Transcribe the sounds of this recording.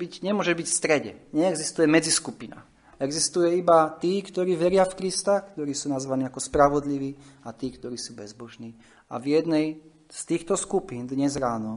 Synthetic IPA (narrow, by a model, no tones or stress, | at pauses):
biɟɲɛmʊɔʒɛbicfst̪ɾɛɟɛ̰ɲɛɛɡzist̪ujɛmɛd͡ziskupina̰ | ɛɡzist̪ujɛibat̪iːkt̪ɔɾiːʋɛɾɪafkɾist̪akt̪ɔɾiːsuːnazʋaniːakɔspɾaʋɔd̪liʋiːat̪iːkt̪ɔɾiːsuːbɛzbɔʒniː | a̰vjɛd̪nɛj | st̪iːxt̪ɔskupiːnd̪ɲɛzɾaːnɔ